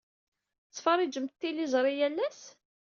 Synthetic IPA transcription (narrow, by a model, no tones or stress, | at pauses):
t͡sːfərˤid͡ʒəmt̪ːilizˤɾˤijælːæs